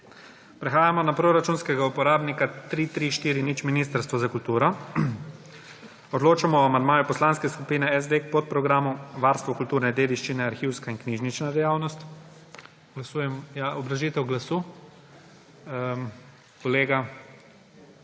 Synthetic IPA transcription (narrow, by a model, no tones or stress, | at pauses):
pɾɛxaːjamɔnapɾoɾat͡ʃunskɛɡaupɔɾaːbnikat̪ɾiːt̪ɾiʃt̪iːɾinit͡ʃminist̪aɾst̪ʋɔzakult̪uːɾɔ | ɔd̪loːt͡ʃamɔɔamand̪maːjupɔslanskɛskupiːnɛɛzd̪ekpot̪̚pɾɔɡɾaːmuʋaɾst̪ʋɔkult̪uːɾnɛd̪eːd̪iʃt͡ʃinɛaɾxiːwskainkniːʒnit͡ʃnad̪ɛjawnɔst̪ | ɡ̥lasuːjɛmjaɔbɾaʒit̪ɛwɡlasuː | kɔleːɡa